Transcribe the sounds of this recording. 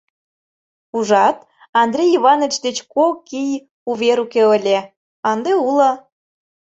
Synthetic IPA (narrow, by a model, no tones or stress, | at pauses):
uʒɑt̪ | ɑnd̪rʲejiβɑnət͡ɕd̪et͡ɕkokij | uβʲeɾukeəlʲe | ɑnd̪eulə